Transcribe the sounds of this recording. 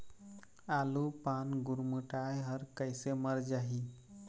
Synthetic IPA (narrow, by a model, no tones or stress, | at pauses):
alupanɡuɾmuʈajɦəɾkəjseməɾd͡ʒaɦi